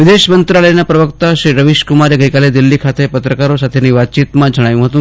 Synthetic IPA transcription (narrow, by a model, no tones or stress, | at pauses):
ʋɪd̪eʃmənt̪ɾaləjnapɾəʋəkt̪aʃɾiɾəʋiʃkumaɾjeɡəjkaled̪ilːikʰat̪epət̪ɾəkaɾosat̪ʰeniʋat̪̚t͡ʃiːt̪mãd͡ʒəɽ̃ajũɦət̪ũː